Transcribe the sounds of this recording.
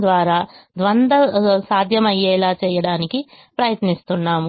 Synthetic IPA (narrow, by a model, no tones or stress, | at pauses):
d̪ʋaːɾaːd̪ʋɐnd̪ɐsaːd̪ʱjɐmɐjːɛːlaːt͡ʃɛːjɐɽaːniki | pɾɐjɐt̪nist̪unːaːmu